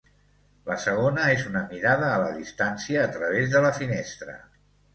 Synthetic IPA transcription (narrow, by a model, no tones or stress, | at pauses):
ləsəɣ̞onəezunəmiɾaðəːləðist̪ansiəːt̪ɾəβ̞ezðələfinest̪ɾə̰